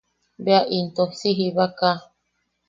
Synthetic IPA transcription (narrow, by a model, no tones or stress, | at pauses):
beaʔint̪osiɦiβaka